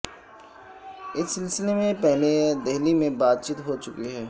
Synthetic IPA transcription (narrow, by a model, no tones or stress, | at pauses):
ɪsːɪlsɪlemẽpɛɦled̪eɦlimẽbaːt̪̚t͡ʃiːt̪ɦot͡ʃʊkiɦɛː